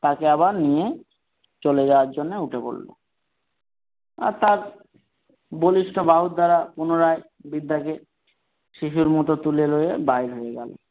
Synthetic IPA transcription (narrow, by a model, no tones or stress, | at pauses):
t̪akeaβaɾnije | t͡ɕoled͡ʑaoaɾd͡ʑonːeuʈʰepo̰lːo̰ | a̰ɾt̪aɾ | boliʃʈʰobaɦut̪̚d̪aɾapunoɾaj | bid̪ːake | ʃiʃuɾmɔt̪ot̪ulelojebajɾɦoeɡɛ̰lo̰